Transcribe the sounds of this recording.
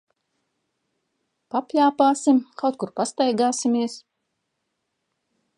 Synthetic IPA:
papʲjaːpaːsimkawt̪̚kuɾpast̪ajɡaːsimiɛs

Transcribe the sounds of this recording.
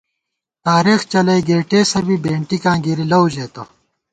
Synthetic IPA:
t̪aːɾiːxt͡ɕɐlɐjɡeːʈeːsɐbibẽːɳʈikãːŋɡiɾilɐwʑeːt̪o

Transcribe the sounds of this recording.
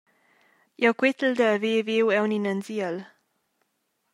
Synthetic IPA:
jawkwɪt̪əl̩d̪əːveːvewɛwninənziəl

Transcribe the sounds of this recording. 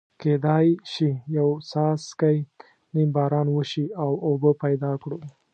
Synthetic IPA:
ked̪ɑjʃijawsɑskaj | nimbɑɾɑnwəʃiawobəpajd̪ɑkɽu

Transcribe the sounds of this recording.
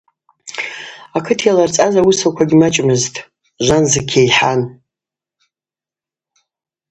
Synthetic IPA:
akʰɨtʰjalart͡sʼazawusakʷʰaɡʲimat͡ʃʼmɨztʼ | ʒʷanzɨkʲʰejħan

